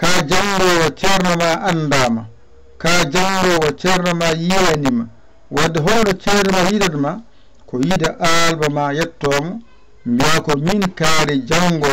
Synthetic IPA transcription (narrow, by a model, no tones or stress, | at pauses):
kaːd͡ʒaŋɡɔwat͡ʃɛɾnamaʔanːdaːma | kaːd͡ʒaŋɡɔwat͡ʃɛɾnamajijanima | wadɛɦɔwnɔt͡ʃɛɾɛmajidaɾma | kɔjidaʔalbamajɛtːɔːmɔ | mbiakɔminkaːɾɛd͡ʒaŋɡɔ